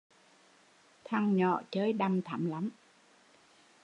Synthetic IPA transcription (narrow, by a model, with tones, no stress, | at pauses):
t̪ʰa˧ŋɲɔ̰˧˨t͡ɕəː˨˦jɗa˧mt̪ʰa˧˩˦mla˨˦m